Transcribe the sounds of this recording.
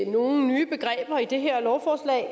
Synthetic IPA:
no̝ːn̩nyːb̥e̝ɡ̥ʁɛ̰ːb̥ɐid̥e̝ɦeɐ̰lɒʊfɒːslɛ̰ɪ

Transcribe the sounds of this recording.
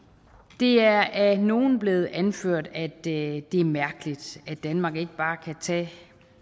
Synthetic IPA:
d̥e̝æɐæno̝ːn̩b̥le̝ːð̩ˠʔænføɐ̰d̥æd̥e̝æɐmæɐɡ̥əlid̥æd̥ænmɑ̈ːɡ̥e̝ɡ̥əb̥ɑ̈ːkʰæt͡sʰɛ̰ː

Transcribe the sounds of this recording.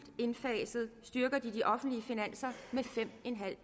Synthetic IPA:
d̥e̝nfɛːsð̞̩ˠsd̥yɐɡ̥ɐd̥id̥iʔɒ̽fn̩dliəfinæn̰sɐmefem̰e̝nɦæl̰

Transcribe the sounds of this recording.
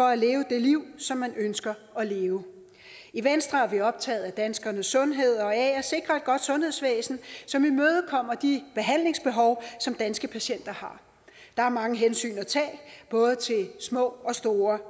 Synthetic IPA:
fɒ̽æle̝ːʊəd̥e̝liʊ̰sɒ̽mːænønsɡ̥ɐ | ɒ̽le̝ːʊə | iʋensd̥ʁɐæɐʋiɒ̽b̥̚t͡sʰɛ̰ːð̞̩ˠæd̥ænsɡ̥ɐnəsːɔ̽nɦe̝ð̞̰ˠɒ̽ɛːæse̝ɡ̥ʁɐe̝d̥̚ɡ̥ɒ̽d̥sɔ̽nhe̝ð̰ˠsʋḛːsn̩sɒ̽mimøːð̞̩ˠkʰɒ̽m̰ɐd̥ib̥e̝ɦæn̰le̝ŋsb̥e̝ɦɒʊsɒ̽md̥ænsɡ̥əpʰæɕen̰d̥ɐhɑ̈ | d̥ɑ̈æɐmɑ̈ŋəɦensy̰ːnæt͡sʰɛ̰ːb̥ɔ̽ːð̞̩ˠət͡sʰe̝lsmɔ̰̽ːɒ̽sd̥o̝ːɐ

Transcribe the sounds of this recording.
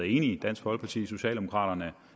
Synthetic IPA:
ð̩ˠe̝ːnid̥æn̰sɡ̥hɒ̽l̚pʰɑ̈t͡sʰḭːso̝ɕɛ̰ːld̥emo̝̥kʰʁɑ̰̈ːɾ̥ɐnə

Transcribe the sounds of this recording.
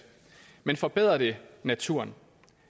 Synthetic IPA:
menfɒ̽b̥eð̰ˠʁɐde̝næt͡sʰuɐ̰n

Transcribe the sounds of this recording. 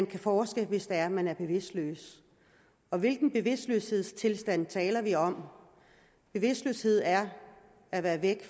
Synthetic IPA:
nkʰæfɒːsɡ̥əʋe̝sd̥ææɐmænæɐb̥e̝ʋe̝sd̥lø̰ːs | ɒ̽ʋe̝lɡ̥n̩b̥e̝ʋe̝sd̥løːshe̝ð̞̰ˠst͡sʰe̝lsd̥æn̰t͡sʰɛːlɐʋiɒ̽m | b̥e̝ʋe̝sd̥lø̰ːshe̝ð̰ˠæɐ | æʋæːɐʋeɡ̥

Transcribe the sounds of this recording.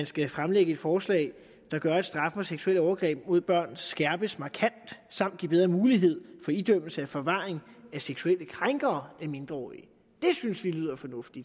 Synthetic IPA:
ænsɡ̥æfʁamleɡ̥əe̝d̥fɒːslɛ̰ɪ | d̥ɑ̈ɡ̥ɶɐæd̥sd̥ʁɑ̈fəfɒ̽seɡ̥suel̰ɒʊɐɡ̥ʁɛ̰ːb̥̚mo̝ð̰ˠb̥ɶɐ̰nsɡ̥æɐb̥əsmɑ̈kʰæn̰d̥sɑ̈m̰d̥̚ɡ̥ib̥eð̞ˠʁɐmuːliɦe̝ð̞̰ˠfɒ̽id̥øm̰l̩səæfɒ̽ʋɑ̈ːeŋæseɡ̥suel̰əkʰʁaŋɡ̥ɐːæme̝nd̥ʁɐɒ̰ːiə | d̥e̝synsʋilyð̞̰ˠɐfɒ̽nɔ̽fd̥id̥

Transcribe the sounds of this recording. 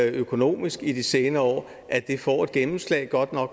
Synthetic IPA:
økʰo̝no̝̰ːmisɡ̥id̥ise̝ːnɐɒ̰ː | ʔæd̥e̝fɒ̰ːe̝d̥̚ɡ̥enm̩slɛ̰ɪɡ̥ɒ̽d̥nɒ̽ɡ̥

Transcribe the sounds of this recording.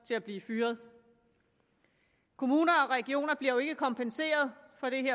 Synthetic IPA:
t͡sʰe̝læb̥liːfyːɐð̞ˠ | kʰo̝muːnɐɒ̽ʁɛɡ̥io̝̰ːnɐb̥liɐjoe̝ɡ̥əkʰɒ̽mpʰense̝̰ːɐð̞ˠfɒ̽ɾ̥e̝ɦeɐ̰

